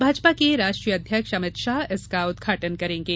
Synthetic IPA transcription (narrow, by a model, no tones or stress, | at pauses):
bʱaːd͡ʒpakeɾaːʃʈɾijəd̪ʱjəkʃəmɪt̪ʃaːɪskaʊd̪ɡʱaːʈənkɐɾẽːŋɡeː